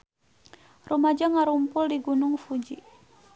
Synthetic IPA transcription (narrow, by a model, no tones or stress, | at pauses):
rumad͡ʒaŋaɾumpʊldiɡunʊŋfud͡ʒi